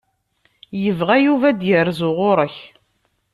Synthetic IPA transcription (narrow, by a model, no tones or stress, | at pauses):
jəvʁæjuvæd̪jərzʊʁʊɾˤəç